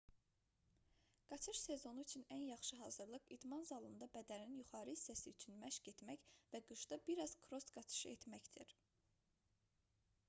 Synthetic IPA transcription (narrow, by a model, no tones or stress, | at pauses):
ɡ̥ɑt͡ʃ̪ʰɯʃse̞zo̞nuyt͡ʃʰynænjɑχʃɯɦɑːzɯɾlˠɯqid̪mɑnzɑlˠɯnd̪ɑbæd̪æɾinjuχɑːɾɯhisːæsiyt͡ʃʰynmæʃɟet̪mæçvæɡɯʃd̪ɑbiɾɑz̥kʰɾo̞st̪ɡɑt͡ʃ̪ʰɯ̥ʃɯe̞t̪mæçd̪iɾ